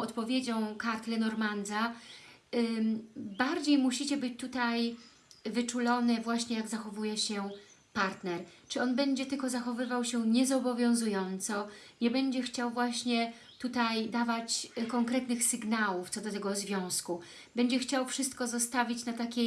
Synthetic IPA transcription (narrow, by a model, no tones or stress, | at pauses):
ɔt̪pɔvʲjed͡ʑɔ̃w̃kaɾt̪lɛnɔɾmand̪za | baɾd͡ʑejmuɕit͡ɕɛbɘt͡ɕt̪ut̪aj | vɘt͡ʂulɔnɛvwaɕɲɛjaɡzaxɔvujɛɕɛpaɾt̪nɛɾt͡ʂɘɔnbɛɲd͡ʑɛt̪ɘlkɔzaxɔvɘvawɕɛɲɛzɔbɔvʲjɔ̃w̃zujɔnt̪sɔ | ɲɛbɛɲd͡ʑɛxt͡ɕawvwaɕɲɛ | t̪ut̪ajd̪avat͡ɕkɔŋkɾɛt̪nɘxsɘɡnawuft̪sɔd̪ɔt̪ɛɡɔzvʲjɔ̃w̃sku | bɛɲd͡ʑɛxt͡ɕawfʂɘst̪̚kɔzɔst̪avʲit͡ɕnat̪akʲɛ